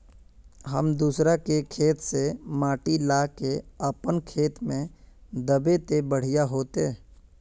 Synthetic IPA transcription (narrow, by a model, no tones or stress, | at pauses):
ɦəmd̪uːsɾakekʰeːt̪semaːʈilaːkeəpənkʰeːt̪mẽd̪əbet̪ebəɽ̤ijaɦoːt̪e